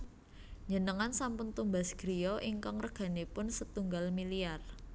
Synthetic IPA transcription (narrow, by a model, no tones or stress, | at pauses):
ɲənəŋansampʊnt̪umbasɡ̥ɾiɔʔiŋkaŋrəɡ̥a̤nepʊnsət̪uŋɡalmiliar